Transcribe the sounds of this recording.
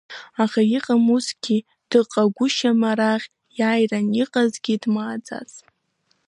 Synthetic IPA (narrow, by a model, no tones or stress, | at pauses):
aχajiqʼamusɡʲi | d̥ɨqʼaɡʷʊʃamaɾaʁʲ | jajraniqʼazɡʲidmaːd͡za̰t͡sʼ